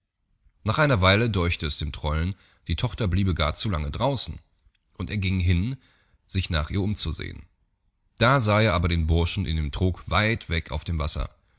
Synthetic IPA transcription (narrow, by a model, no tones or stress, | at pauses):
naːχʔaɪnɐvaɪlədɔɐçtəɛsd̥eːmtʁ̥ɔln | d̥iːtʰɔχtɐbliːbəɡa̰ːɐt͡sulaŋədʁaʊsn̩ | ʔʊnteːɐɡɪŋɦɪn | z̥ɪçna̰ːχʔiːɐʊmt͡suzḛːə̰n | d̥aːzaːeːɐʔaːbɐɾeːnbʊɐʃn̩ɪ̰ndeːmtʁ̥oːkv̥aɪtv̥ɛka̰ʊfd̥eːmvasɐ̰